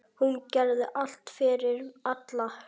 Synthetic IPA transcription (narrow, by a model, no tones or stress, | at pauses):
huncɛɾðɪʔal̥t̪fɪɾɪɾat̪lah